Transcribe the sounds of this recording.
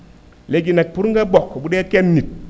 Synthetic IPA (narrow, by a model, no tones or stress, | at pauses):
leɡinek̚puɾŋ̩ɡabokːobuɗekenːit̚